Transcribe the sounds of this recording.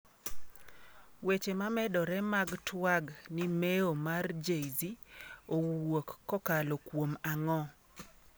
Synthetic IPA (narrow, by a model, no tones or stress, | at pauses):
wet͡ʃemamɛdɔɾɛmaɡtwaɡnimeomard͡ʒejziowokːɔkalɔkwomaŋɔ